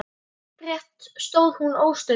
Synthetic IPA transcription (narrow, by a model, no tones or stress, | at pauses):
pɾjɛht̪st̪owðhunoːwst̪œ